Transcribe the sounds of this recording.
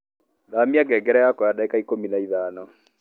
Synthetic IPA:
ðamiaɡɛːɡɛɾɛjakɔjadaikaikominaiðaːnɔ

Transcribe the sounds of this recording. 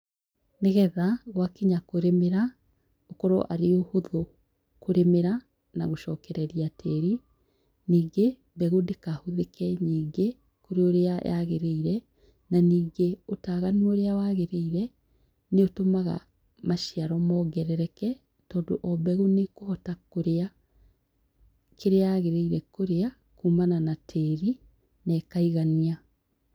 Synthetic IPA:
neɣɛðaɣwakeɲakoɾemeɾa | okɔɾo̰ʔaɾeohoðo | koɾemeɾa | naɣoʃɔːkɛɾɛɾiatʰɛɾi | niːɡe | bɛɣudekahuðekɛɲiːɡe | koɾeoɾeajaɣeɾeiɾɛ | naniːɡeotaːɣanuoɾeawaːɣeɾeiɾɛ | neotomaɣa̰ | maʃiaɾɔmɔɡɛɾɛɾɛkɛ | tɔːndo̰ʔɔbɛɣunekohɔtakoɾea | kʰeɾeaɣeɾeiɾɛkoɾea | kuːmananatʰɛːɾi | nɛːkaiɣania

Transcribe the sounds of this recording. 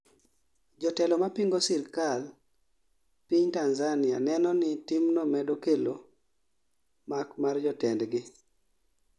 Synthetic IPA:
d͡ʒɔtɛlɔmapiŋɡosiɾkal | piɲtanzanɪanɛnɔnɪtimnɔmɛdokelo | makmard͡ʒɔtɛndɡɪ

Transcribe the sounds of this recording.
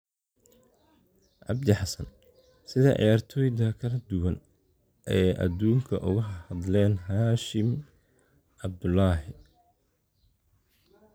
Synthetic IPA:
ʕɑ̰bd̪ɪħɑsɐn | sɪðɐʔjaːrt̪ʰɔːjðɐkʰɐlɐd̪ʊwɐn | ʔɛːʔɐ̰d̪uːŋkʰɐʔʊɣʊɦhɐðlɛːnɦaːʃɪm | ʕɑb̚d̪ʊlːɑːɦɪ

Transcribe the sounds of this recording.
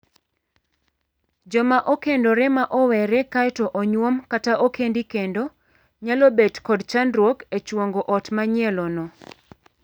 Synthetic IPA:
d͡ʒɔmaʔokendoɾɛmaʔɔwɛɾɛkatoʔɔɲwomkataʔokendikendo | ɲalobedkɔdt͡ʃandɾwoket͡ʃwoŋɡoʔɔtmaɲjɛlɔnɔ

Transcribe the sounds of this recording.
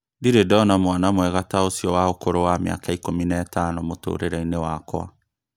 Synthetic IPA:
ndiɾedɔnamwanamwɛɣataosiɔwaokoɾowamja̰kaikominaːtanomoto̰ːɾeɾainewakɔa̰

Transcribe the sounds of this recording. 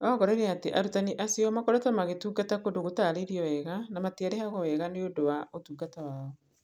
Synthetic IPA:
ɔːɣɔɾɔiɾeateʔaɾutaniʔasiɔmakoɾatamaɣetuːɡatakodoɣotaːɾeɾiɔwɛɣanamatiaɾeɦaɣɔwɛɣaneodowaotuːɡatawaːɔ

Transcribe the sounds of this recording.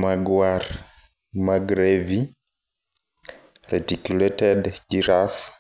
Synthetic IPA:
maɡwaɾ | maɡɾevi | ɾetikuletɛdɟiɾaf

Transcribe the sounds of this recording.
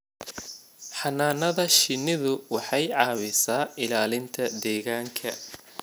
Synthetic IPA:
ħɑnaːnɐðɐʃɪnɪðʊwɑħɑjʕɑːwɪsaːɪlaːlɪnt̪ʰɐd̪ɛːɣaːŋkʰɐ̰

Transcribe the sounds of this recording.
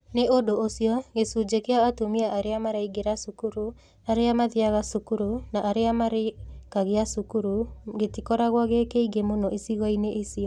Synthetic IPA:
neʔodoosiɔɣesud͡ʒekeaatumiaʔaɾeamaɾaiɡeɾasukuɾu | aɾeamaðiaɣasukuɾunaʔaɾeamaɾekaɣeasukuɾuɣetikɔɾaɣwaɣekeiɡemonɔʔisiɣɔineʔisiɔ

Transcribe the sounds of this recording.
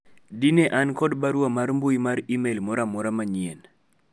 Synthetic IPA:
dineʔankɔdbaɾwamaɾmbujmaɾimelmɔɾamɔɾamaɲɪen

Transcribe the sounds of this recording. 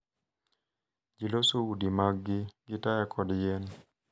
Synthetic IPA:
d͡ʒilosoudimaɡɡɪɡɪtajɛkʰɔdjɛn

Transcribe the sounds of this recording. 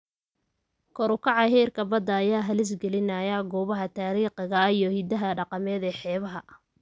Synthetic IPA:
kʰɔɾʊkʰɑʕɑɦɛːrkʰɐbɐd̪ːɐːjaːɦɐlɪs̬ɡɛlɪnɐjɐɡɔːβɐɦɐt̪ʰaːɾiːqɪɣɐijɔhɪd̪ɐɦɐɖɑqɑmɛːd̪ɛːħɛːβɐɦɐ

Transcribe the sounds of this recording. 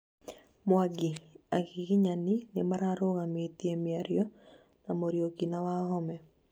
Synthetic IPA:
mwaɡiakikiɲaninɪmaɾaɾoɣamet̪iemjaɾjɔ | namoɾjokinawahɔmɛ

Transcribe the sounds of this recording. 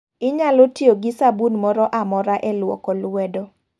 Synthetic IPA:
ɪɲalotjoɡɪsabunmɔɾɔʔamɔɾaʔɛlwɔ̰kɔlwɛdɔ

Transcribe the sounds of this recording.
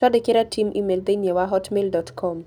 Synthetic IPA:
ɔdɪkɪɾatimʔḭmeld̪enjewaɦɔtmeldɔtkʰɔm

